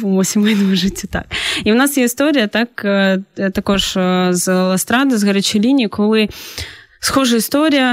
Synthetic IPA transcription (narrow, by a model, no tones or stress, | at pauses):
vmosʲɪmɨd̪əvəʐɨtʲɪt̪a̰k̚iʊnasjeɪst̪oɾʲɪjət̪akət̪ɐkojʂəzlˠɐst̪ɾad̪ɨzɣɐɾʲət͡ɕɪlʲinʲɪkolˠɨ | sxoʐəɪst̪oɾʲɪjə